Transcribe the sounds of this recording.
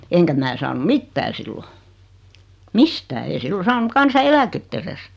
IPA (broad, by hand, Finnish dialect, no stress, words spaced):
eŋkæ mæː sɑːnu mitːæː silːo mistæː ei silːo sɑːnu kɑnsɑelæketː eres